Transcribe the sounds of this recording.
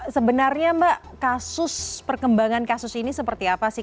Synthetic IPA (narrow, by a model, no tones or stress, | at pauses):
səbənarɲambaʔkasʊspərkəmbaŋankasʊsinisəpərt̪iapasɪ